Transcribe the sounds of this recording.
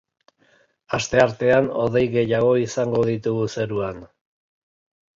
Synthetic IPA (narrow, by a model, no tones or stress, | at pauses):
ast̪e̞aɾt̪e̞ano̞̰ðejɣe̞jaɣ̞o̞isaŋɡo̞ðit̪uɣuse̞ɾuan